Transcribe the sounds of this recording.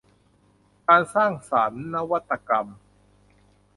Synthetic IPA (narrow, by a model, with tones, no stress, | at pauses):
kaː˧nsaː˥˩ŋsaː˩˦nːa˦˥wa˦˥t̪ːa˧ka˧m